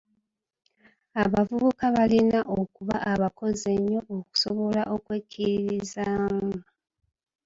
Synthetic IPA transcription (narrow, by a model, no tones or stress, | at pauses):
aβavuβukaβalinaʔokuβa̰aβako̞ze̞ɲːo̞oku̥soβo̞laʔo̞kweːcʰːiɾiɾizaːm